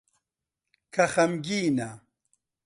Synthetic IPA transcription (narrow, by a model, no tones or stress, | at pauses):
kʰɐxɐmɡiːnɐ